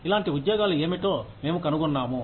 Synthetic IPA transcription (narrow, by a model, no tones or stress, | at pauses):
ilaːɳʈiud̪jɔːɡaːlue̞ːmiʈoːme̞ːmukɐnuɡunːaːmu